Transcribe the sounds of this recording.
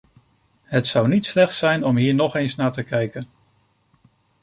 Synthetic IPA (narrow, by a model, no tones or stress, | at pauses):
ɦətsʌwnitslɛχtsɛjnɔmɦiːɹnɔχejnsnaːɹtəkɛjkən